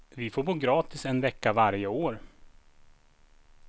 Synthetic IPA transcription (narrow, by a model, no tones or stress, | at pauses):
vɪfoːɾboːɡɾɑːt̪ɪsɛnvɛkːavaɾjəoːɾ